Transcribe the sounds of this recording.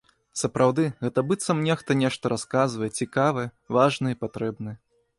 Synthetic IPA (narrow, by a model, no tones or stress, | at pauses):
sɐpɾawd̪ɨɣɛt̪ɐbɨt̪sɐmnʲɛxt̪ɐnʲɛʂt̪ɐɾaskazvɐjɛt͡sʲikavɨjɛ | vaʐnɨɛpat̪ɾɛbnɨjɛ